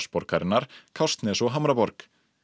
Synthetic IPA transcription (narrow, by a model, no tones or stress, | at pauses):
spɔɾkaɾɪnːaɾ̥kʰawst̪nɛsɔɦamɾapɔɾk